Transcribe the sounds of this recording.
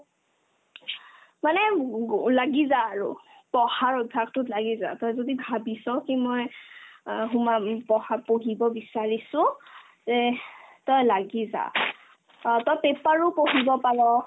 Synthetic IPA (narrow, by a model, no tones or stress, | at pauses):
manɛlaɡizaːɹʊ̰ | pɔhaɹɔdʱaktʊtlaɡiza̰tɔjzodibʱabisɔkimɔj | ɦumapɔhapoɦibɔbisaɹisʊ̃ | zɛtɔjlaɡiza̰ | tɔjpepaɹʊpoɦibɔpaɹɔ